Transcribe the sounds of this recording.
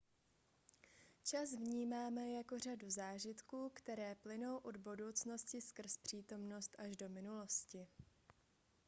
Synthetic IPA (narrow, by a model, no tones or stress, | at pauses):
t͡ʃasvɲiːmaːmɛjako̞r̝aduzaːʒɪt̪kuːkt̪ɛɾɛːplɪno̞wʔo̞dbudo̞wt͡sno̞scɪskr̩spr̝̥iːt̪o̞mno̞st̪ʔaʒdo̞mɪnulo̞scɪ